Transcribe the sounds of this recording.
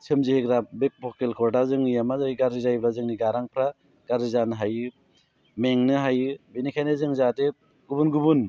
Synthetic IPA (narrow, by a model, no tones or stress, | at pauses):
sɯmziheɡɾabek̚bʰɔkelkʰɔɾdazɯŋijamazaiɡaɾizajblazɯŋniɡaɾaŋpʰɾa | ɡ̥aɾizanɯɦajɯ | meŋnɯɦajɯbinikʰajnɯzɯŋzate | ɡubunɡubun